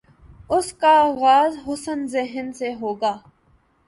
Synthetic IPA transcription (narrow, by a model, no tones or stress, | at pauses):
ʊskaɣaːzɦʊsənzɪɦənseɦoːɡaː